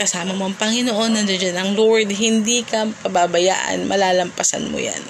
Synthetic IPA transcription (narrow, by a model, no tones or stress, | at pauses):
kɐsaːmɐmoʔɐŋpɐŋɪnoʔo̞nːɐd͡ʒɐd͡ʒanɐŋloɹd̪ɦɪnd̪iːkɐpɐbabɐja̰ːʔɐ̰nmɐlaːlɐmpɐsa̰nmo̰ja̰n